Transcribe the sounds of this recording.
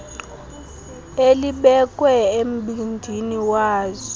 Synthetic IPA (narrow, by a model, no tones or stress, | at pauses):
eliɓɛkʼwɛem̩ɓindʱiniwaːzɔ